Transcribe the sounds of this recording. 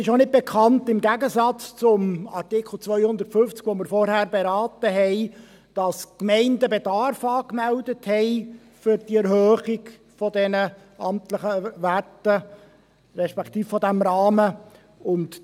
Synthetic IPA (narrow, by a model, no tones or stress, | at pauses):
ɪʃonɪt̚b̥ɛkʰχɑntɪmɡæɡəsɑt͡st͡sʊmɑrtɪkʰl̩t͡sʋœʏhʊnd̪əɾtfʏnft͡sɡ̥ʋoməɾfɔɾhæːrbeɾɑːtəɦɛɪ | d̥ɑskmɛɪndəbedɑrfɑːkmældəthɛɪ | fʏɾd̥iɛɾhøːχɪɡ | fɔdɛnə | ɑmtləχəʋætə | ɾɛʃpɛkt̪iːffɔdæmɾɑːmə | ʊnt